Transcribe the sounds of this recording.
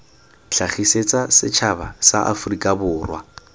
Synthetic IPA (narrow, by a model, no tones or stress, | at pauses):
ɬʰaχiset͡sʼasɪt͡ʃʰabasa̰ʔa̰fʊrikʼabʊːrwa̰